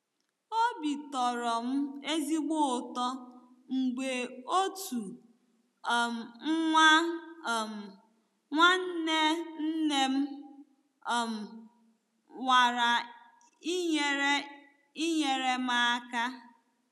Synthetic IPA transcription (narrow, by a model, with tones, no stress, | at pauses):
o˦bi˨tɔ˨ɾɔ˨m̩˦e˦zi˦ɡ͡bo˦˨tɔ˦ | ŋ͡m̩˨ɡ͡be˨o˦tu˨ | m̩˨˦ŋʷa˦˨m˨ | ŋʷa˦n̩˦ne˦n̩˦ne˦m̩˦˨ | m̩˨ | wa˨ɾa˨ | i˦ɲe˦ɾe˦ | i˦ɲe˨ɾe˦ma˦a˦ka˦